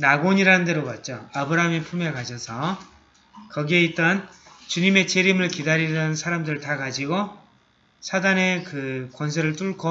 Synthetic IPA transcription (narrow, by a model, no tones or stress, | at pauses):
naɡoɲiɾanɯnde̞ɾobat̚t͡ɕ͈oabɯɾaɦamipʰumekaɕʰʌsʰʌ | kʌɡie̞it͈ʌnt͡ɕuɲime̞t͡ɕeɾimɯɭkidaɾiɾʌnɯnsʰaɾamdɯɾɯɭtakad͡ʑiɡo | sʰadane̞kɯkwʌns̬ʰeɾɯɭt͈uɭkʰo